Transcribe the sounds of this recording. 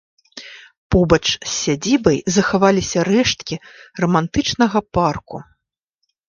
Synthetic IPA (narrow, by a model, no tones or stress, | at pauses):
pɔbɐt͡ʂsʲːad͡zʲibɐjzɐxavalʲisʲɐɾɛʂt̪kʲirɐmant̪ɨt͡ʂnɐɣɐparku